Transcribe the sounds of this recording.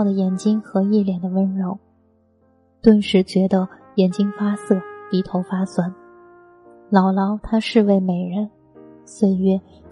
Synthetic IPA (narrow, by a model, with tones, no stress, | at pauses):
ʊd̪ə˩jɛ˨˩nt͡ɕi˥ŋxɤ˧˥i˥˩ljɛ˨˩nd̪ə˦wə˥nɻo˧˥ʊ | t̪wə˥˧nʂɻ̩˧˥t͡ɕɥɛ˧˥d̪ə˧ | jɛ˨˩nt͡ɕi˥ŋfa˥sɤ˥˩t̪i˧˥t̪ʰo˧˥ʊfa˥swa˨˩˦n | lɑ˨˩ʊlɑ˧˥ʊt̪ʰa˥ʂɻ̩˥˧we˥˩ɪme˨˩ɪɻə˧˥n | swe˥˩ɪɥɛ˥